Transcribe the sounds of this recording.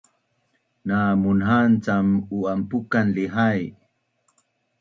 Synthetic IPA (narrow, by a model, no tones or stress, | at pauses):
namunɦant͡samuampukanliɦaj